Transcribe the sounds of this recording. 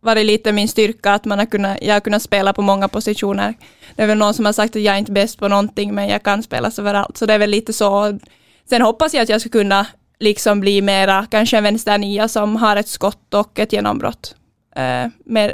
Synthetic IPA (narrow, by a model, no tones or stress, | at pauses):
vɑɾɛliːt̪əmɪnst̪ʏɾkaːt̪manhaɾkɵnːajʔɑ̰haɾkɵ̟nːat̪speːlapʰɔmɔŋːapɔsɪʂuːnə̰ɾ | d̪̥ɛæɾvɛloɡnsɔmhaɾʂak̚t̪at̪jaːɡɾɪnt̪əbɛst̪̚pʰɔnɔnt̪ɪŋːmɛnjɑ̰ːɡkʰanspḛːlʔa̰søːvəɾa̰lt̪sɔd̪ɛæɾvɛlːiːt̪əsɔ | sɛnhɔpːasjaat̪jɑːɡskakɵnːa | lɪksɔmbliːmeːɾakanʂəɛnvɛnst̪æɳiːasɔmɦaɾɛt̪skɔt̪ːɔkːɛt̪jeːnɔ̰mbɾɔ̰t̪ː | mɛ